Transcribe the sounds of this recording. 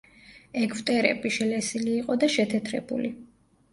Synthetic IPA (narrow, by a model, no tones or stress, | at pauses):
ɛɡvt̪ʼɛɾɛ̰biʃɛlɛsiliːqʼɔd̪aʃɛt̪ʰɛt̪ʰɾɛ̰bṵli